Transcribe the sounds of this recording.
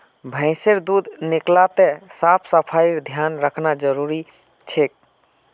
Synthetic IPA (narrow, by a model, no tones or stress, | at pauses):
bʱə̃ɪ̃seɾd̪ud̪ʱniklat̪esapʰsəpʰaiɾd̪ʱjanɾəkʰnad͡ʒəɾuɾi | t͡ʃʰek̚